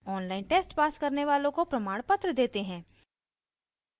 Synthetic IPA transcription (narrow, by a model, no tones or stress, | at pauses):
ɔːnlaːɪnʈeːsʈpaːskɐɾneʋaːlõkopɾɐmaːɽ̃pət̪ɾəd̪eːt̪eɦɛ̃ː